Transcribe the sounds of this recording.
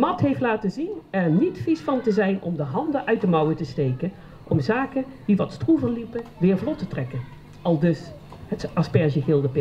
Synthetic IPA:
mɑtɦejftlaːtəzinɛɹnitfisfɑntəzɛjnɔ̰mdəɦɑndəʔœɥt̚dəmʌwətəstejkən | ʔɔmzaːkəndiʋɑtstruvənlipəʋɪːɹvlɔtətrɛkən | ɑlˠdɵshətɑspɛɹzəɣɪlˠdəpɪ

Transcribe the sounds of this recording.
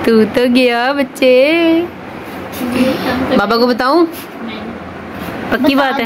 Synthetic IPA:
t̪uːt̪oɡɪjaːbɐtːʃe | baːbakobət̪aːũː | pəkːibaːt̪

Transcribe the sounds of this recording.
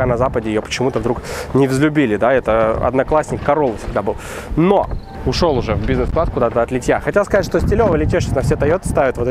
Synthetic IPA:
anɐzapədʲɪɪjopə̥t͡ɕɪmut̪əvd̪ɾuknʲɪvzlʲʉbʲilʲɪd̪aɛt̪əɐ̰d̪nɐklˠasʲnʲɪkːɐɾo̞lˠfʲsʲɪɡd̪abɨlˠ | no | ʊʂo̞lˠʊʐɛvbʲiznɨsfklˠat̪kʊd̪at̪əɐt̪lʲɪtʲjaxɐtʲelskɐztʲʂt̪osʲtʲɪlʲovəlʲɪtʲeʂʲɪk̪nəfsʲet̪ɐjot̪st̪avʲɪt̪vot̪

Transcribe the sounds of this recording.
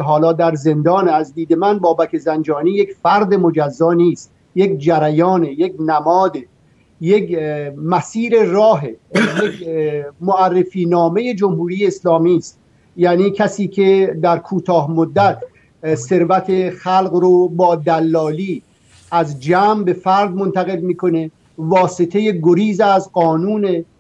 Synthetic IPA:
ɦɒːlɒːd̪æɾze̞nd̪ɒːnæzd̪iːd̪e̞mænbɒːbækʰe̞zænd͡ʒɒːniːjecfæɾd̪e̞mo̞d͡ʒæzːɒːniːst̪ | je̞kd͡ʒæɾæjɒːnejeknæmɒːd̪e | jekmæsiːɾe̞rɒːɦejekmoærːefiːnɒːme̞je̞d͡ʒomhuːɾiːjeːslɒːmiːst̪ | jæːniːcʰæsiːkʰe̞d̪æɾkʰuːt̪ʰɒːɦmod̪ːæt̪ | se̞ɾvæt̪ʰe̞xælɣɾobɒːd̪ælːɒːliː | ʔæzd͡ʒæːmbe̞fæɾd̪mo̞nt̪ʰæɣe̞lmiːkʰo̞ne̞ | vɒːset̪ʰeje̞ɡoɾiːzæzɢɒːnuːne

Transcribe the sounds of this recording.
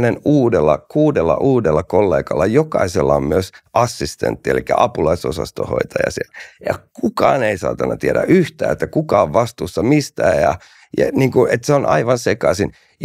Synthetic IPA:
nenuːdelːɑkuːdelːɑ̰ʔuːdelːɑkolːḛːkɑlːɑjokɑiselːɑommyøsʔɑsːist̪ḛnt̪ːielikːæ̰ʔɑpulɑisosɑ̰st̪o̰ho̰it̪ɑjɑ̰sieljɑkukɑːneisɑ̰ːt̪ɑnːɑt̪ieɾæ̰yht̪æːet̪ːækukɑːoʋʋɑst̪uːsːɑmist̪æːjɑ | jɑniːŋkuʔet̪seonʔɑ̰iʋɑnsekɑsin | j

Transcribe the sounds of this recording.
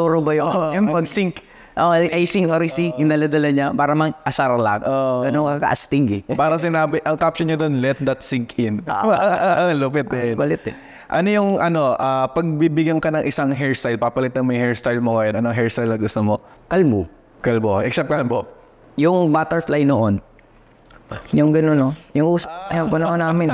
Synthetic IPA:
t̪oɾobɐjopɐɡsɪŋk | ʔoʔʔɐjsɪŋoɾisiɪnd̪ɐlɐd̪ɐlɐɲapaːɾɐmɐŋʔɐsaɾɐla̰ɡoɡɐnoŋkakɐ̰ʔɐst̪ɪŋɡɛpaːɾɐŋsɪnaːbɪʔɐŋkap̚sɪɲɐd̪onlɛt̪̚d̪ɐt̪sɪŋkɪnʔʔlopɛt̪̚nbɐlɪt̪ɛ | ʔɐnojʊŋʔɐno̞ʔaːpɐɡ̚bibɪɡɐŋkɐnɐŋʔɪsaŋɦɛɹst̪ajlpapɐlɪt̪ːɐŋmɐŋhɛɹst̪ajlmoɡɐjonʔɐnoɦɛɹst̪ajlnɐɡʊst̪omo | kɐlbu | kɐlboʔɛksɛp̪̚kɐlbo | jʊŋbaːt̪ɛɹflajnoʔon | jʊŋɡɐnonojʊŋʔuːsɐpɐjɐbɐnɐʔonaːmɪn

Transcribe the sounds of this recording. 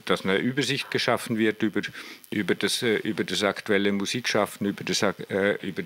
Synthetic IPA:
d̥asnəʔyːbɐzɪçt̚ɡ̥əʃafn̩vɪɐtybəʔyːbɐd̥asʔyːbɐdasaktuɛləmuziːkʃafn̩yːbəd̥ʔy̰ːbə

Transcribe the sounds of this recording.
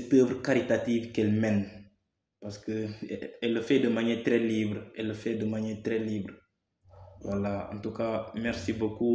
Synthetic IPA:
pəːbɾəkaɾit̪at̪iːvkɛlmɛn | paskəɛlːəfɛdəmaɲeːt̪ɾɛlibɾəɛlːəfɛdəmaɲɛːt̪ɾɛliːbɾə | walaɐ̰̃nt̪ukamɛɾsiboku

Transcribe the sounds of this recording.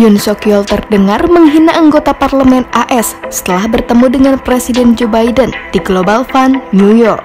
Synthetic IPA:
jʊnsokiɔlt̪ərdəŋarməŋɦinaʔaŋɡot̪aparləmɛnaʔɛssə̥t̪əlahbərt̪əmudəŋanpɾesidɛnd͡ʒobajdənd̥iɡlobalfanːujɔrk

